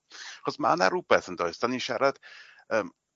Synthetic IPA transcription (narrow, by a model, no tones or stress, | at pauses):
χɔsma̰naɾubɛθəndɔjsd̥aniʃaɾad̥ | əːm